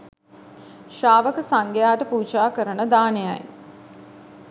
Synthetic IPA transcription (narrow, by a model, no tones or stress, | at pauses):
ʃaːʋəkəsaŋɡejaːʈəpuːt͡ʃaːkəɾənəd̪aːneja̰j